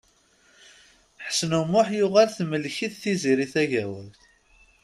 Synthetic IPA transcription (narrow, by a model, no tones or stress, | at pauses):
ħə̥snumːʊħjʊʁælθməlːçiθθiziɾiθæʝæwælθ